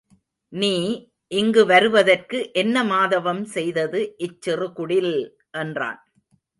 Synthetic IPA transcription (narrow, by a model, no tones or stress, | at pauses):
niː | ʔɪŋɡɯʋɐɾɯʋɐðɐrkɯʔɛnːɐmaːðɐʋɐmsɛjðɐðɯʔɪt͡ʃːɪrɯkʊɽɪl | ʔɛndra̰ːn